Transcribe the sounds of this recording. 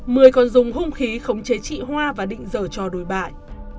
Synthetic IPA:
mɨ˨˩əjkɔ˨˩nzʊ˨˩ŋ͡mɦʊ˧ŋ͡mxi˨˦xə˨˦wŋ͡mt͡ɕe˨˦t͡ɕḭ˧˨ɦwaː˧vaː˨˩ɗḭ˧˨ŋ̟zəː˧˩t͡ɕɔ˧˩ɗo˨˩jɓa̰ː˧˨j

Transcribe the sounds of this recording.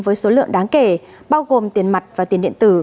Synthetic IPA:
vəː˨˦jso˨˦lɨ̰˧˨əŋɗaː˨˦ŋke˧˩ | ɓaː˧wɣo˨˩mt̪i˨˩ənma˨˩jt̚vaː˨˩i˨˩ənɗḭ˧˨ənt̪ɨ˧˩

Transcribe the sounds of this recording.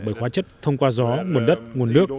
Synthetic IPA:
ɓəː˧˩xwaː˨˦t͡ɕə˦˥t̚t̪ʰə˧wŋ͡mkwaː˧zɔ˨˦ŋu˨˩ənɗə˦˥t̚ŋu˨˩ənːɨ˦˥ək̚

